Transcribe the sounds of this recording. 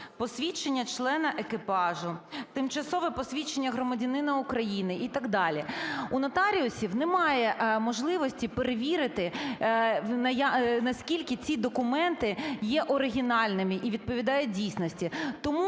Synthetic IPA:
pɔsʲʋʲit͡ʃenʲːɐt͡ʃlˠɛnɐʔekɪpɑʒʊt̪ɪmt͡ʃɐsɔʋɛpɔsʲʋʲit͡ʃːenʲːɐɦɾɔmɐdʲɐnɪnɐʊkɾɐjinɪʔit̪ɐɡd̪ɑlʲiunɐt̪ɑɾʲiʊsʲiwnɛmɑjɛmɔʒlˠɪʋɔsʲtʲipeɾeʋʲiɾɪt̪ɪ | nɐjnɐsʲkʲilʲkɪt͡sʲid̪ɔkʊmɛnt̪ɪjɛʔɔɾɪɦʲinɑlʲnɪmɪʔiʋʲid̪̚pɔʋʲid̪ɑjʊdʲijsʲnɔsʲtʲit̪ɔmu

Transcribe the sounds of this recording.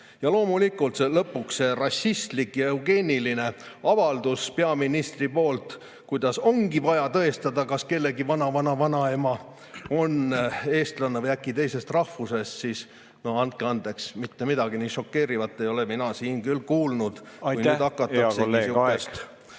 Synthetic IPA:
jɑlo̞ːmulikːˑult̪se̞lɤpːˑuksse̞rɑsʲist̪likjɑeuɡe̞ːnʲiline̞ɑvɑld̪̥uspe̞ɑminist̪ripo̞ːlt̪ | kujd̪̥ɑso̞ŋɡ̥ivɑjɑt̪ɤ̞est̪ɑd̪ɑkɑske̞lːe̞ɡivɑnɑvɑnɑvɑnɑemɑ | o̞ne̞ːst̪lɑnːevɤjækːˑit̪e̞jse̞st̪rɑhfuse̞st̪siːs | no̞ɑnt̪̚keɑnd̪e̞ksmit̪ːe̞mid̪ɑɡ̥iniːʃo̞kːe̞ːɾivɑt̪ːˑe̞jo̞le̞minɑsiːnkylkuːlnud̪̥ | kujnyːd̪ɑkːˑɑt̪ːɑseesukːest̪

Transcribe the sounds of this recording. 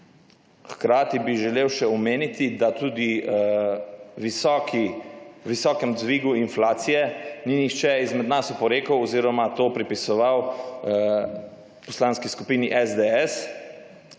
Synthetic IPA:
xkɾaːt̪ibiʒɛleːwʃɛɔmeːnit̪id̪at̪uːd̪i | k | ʋisɔːkɛmzʋiːɡuinflaːt̪sijɛninixt͡ʃɛizmɛd̪nasɔpɔɾeːkəwɔziːɾɔmat̪oːpɾipisɔʋaw | pɔslaːnskiskupiːniʔɛzd̪eɛs

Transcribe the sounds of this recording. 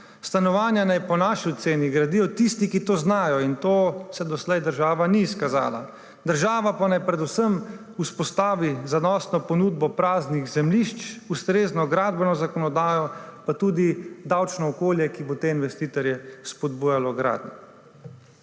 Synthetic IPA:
st̪anɔʋaːnjanajpɔnaːʃiɔt̪seːniɡɾad̪ijɔt̪ist̪ikit̪oːznaːjɔint̪oːsɛd̪ɔslɛjd̪əɾʒaːʋaniːskaza̰ːla̰ | d̪əɾʒaːʋapanajpɾɛd̪usəm | uspɔst̪aːʋizanɔːsnɔpɔnud̪bɔpɾaːzniɣzɛmliʃt͡ʃust̪ɾeːznɔɡɾaːd̪bɛnɔzakɔnɔd̪aːjɔpat̪uːd̪id̪awt͡ʃnɔːkoːljɛkibot̪eːinʋɛst̪iːt̪ɔɾjɛspɔd̪̚buːjalɔɡɾa̰ːd̪nɛ

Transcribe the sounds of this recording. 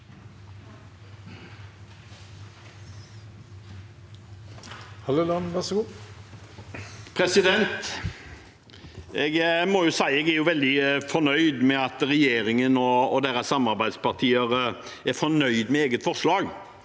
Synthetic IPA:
hɑlolɑnʋæɾsɔɡuː | pʰɾɛsɪd̪ɛnt̪ | ɛɡmɔjʊsæɪɛɡæɾjʊʋɛld̪ɪfɔnœʏd̪mɛɑt̪ʁɛjeːɾɪŋənɔːd̪eːɾɑsɑmɑɾbæɪd̪spɑʁt̪ʰiːəʁ | æfɔnœʏd̪mɛeːɡət̪fɔʁʂlɑːɡ

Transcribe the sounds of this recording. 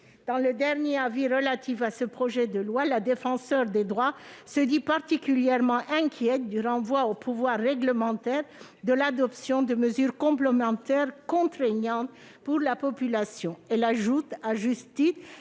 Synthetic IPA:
d̪̥ɑ̃ləd̪ɛʁnjeaviʁəlat̪ifasəpχɔʒɛd̪əlwalad̪efɑ̃sœʁd̪ed̪ʁwasəd̪ipaʁt̪ikʲyljɛʁmɑ̃ʔɛ̃kʲʰjɛt̪̚d̪yʁɑ̃vwaopuvwaʁːɛɡləmɑ̃t̪ɛʁ | d̪əlad̪ɔpsjɔ̃d̪əməzyʁkɔ̃plemɑ̃t̪ɛʁkɔ̃t̪χɛɲɑ̃t̪ | puʁlapɔpylasjɔ̃ɛlaʒut̪aʒyst̪is

